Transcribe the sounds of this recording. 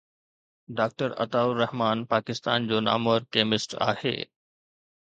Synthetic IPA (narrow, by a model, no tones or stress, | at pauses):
ɖaːk̚ʈəɾɐ̰t̪aːʊɾɐhmaːnpaːkɪst̪aːnd͡ʑoːna̰ːmoəɾkeːmɪsʈa̰ːhḛː